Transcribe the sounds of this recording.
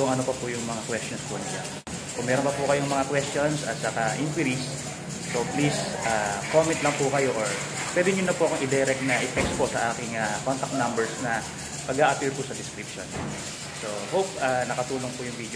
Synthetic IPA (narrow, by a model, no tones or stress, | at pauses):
ʊŋʔɐnopɐpʊjʊŋmɐŋakwɛst̪onspʊnla̰ | kʊŋmɛɾonpɐpʊkɐjoŋmɐŋakwɛst̪onsɐt̪t͡ʃɐkaʔinpwiɾisː | oplisʔaːkoːmɛnt̪lɐŋpʊkɐjo̞ʔoɹ | pwɛd̪ɪɲʊnɐpʊʔɐkoŋʔɪd̪ɛɾɛk̚t̪̚nɐʔɪt̪ɛkst̪̚posɐʔaːkɪŋakont̪ɐk̚t̪nambɛɹsnɐ | pɐɡaʔɐpiːɹpʊsɐd̪ɪskɾipʃon | so̞howp̚ʔanɐkɐt̪uːloŋpʊjʊŋvid̪